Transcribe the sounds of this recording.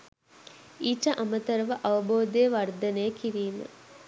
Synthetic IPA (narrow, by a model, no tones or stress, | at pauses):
iːʈɐʔɐmət̪ɐɾɐʋɐʔɐʋɐboːd̪ejːʋɐrd̪ɐnejːkiɾiːmə̰